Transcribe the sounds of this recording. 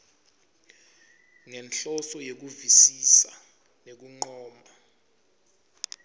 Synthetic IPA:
ŋɛnɬɔsɔjek̬uvisisa | nek̬uŋ͡ǃɔːma

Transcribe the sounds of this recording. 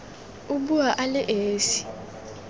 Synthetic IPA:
uɓuwaʔalɛʔeːsi̥

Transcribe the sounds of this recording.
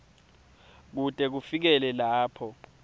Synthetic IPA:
k̬utʼɛk̬ufik̬ɛlɛlaːpʰɔ

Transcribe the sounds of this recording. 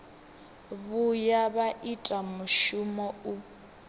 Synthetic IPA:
βujaβaʔitʼamʊʃumɔu

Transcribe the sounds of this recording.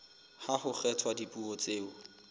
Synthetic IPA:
hahʊχɛtʰwadipʼuɔt͡seːʊ

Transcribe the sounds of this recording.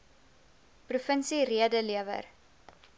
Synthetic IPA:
prufənsiriədəliəvə̰r

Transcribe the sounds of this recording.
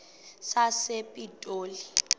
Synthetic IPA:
sasepʼitʼoːli

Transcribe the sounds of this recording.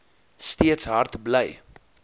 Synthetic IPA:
stiətsɦɐrtbləj

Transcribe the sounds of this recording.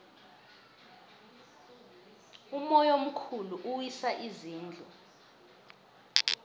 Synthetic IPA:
umɔjom̩kʰuluʔuwisaʔiziːnd͡ɮʱɔ

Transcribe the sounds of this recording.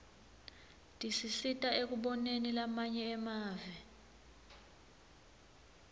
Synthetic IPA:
tʼisisitʼaek̬ʼuɓɔnenilamaɲɛːmaːvɛ

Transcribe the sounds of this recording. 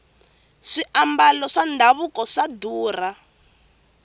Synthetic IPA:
ʂiʔambalɔʂandʱaβukɔʂaduːra

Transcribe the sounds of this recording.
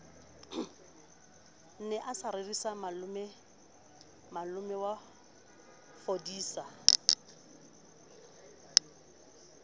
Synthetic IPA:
n̩nɛʔasaɾerisamalʊmɛ | malʊmɛwa | fodiːsa

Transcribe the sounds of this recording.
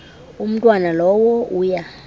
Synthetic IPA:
um̩tʼwanalɔwɔuːja

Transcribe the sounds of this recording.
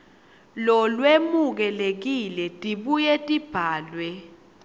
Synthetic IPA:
lɔlwemuk̬ɛlek̬ilɛtʼiɓujɛtʼib̥ʱaːlwɛ

